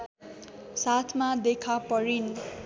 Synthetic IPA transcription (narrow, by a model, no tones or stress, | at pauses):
sat̪ʰmad̪ekʰapʌɾin